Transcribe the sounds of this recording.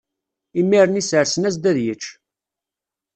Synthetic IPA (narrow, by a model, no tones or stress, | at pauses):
imːiɾənisəɾsənæzd̪æðjət͡ʃː